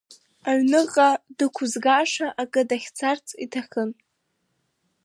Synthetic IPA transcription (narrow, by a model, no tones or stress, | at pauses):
aɥnɨʁʼadɨkʷʰʊzɡaʂaʔakʼɨdaχʲt͡sʰart͡sʰʼitʰaχʲɨn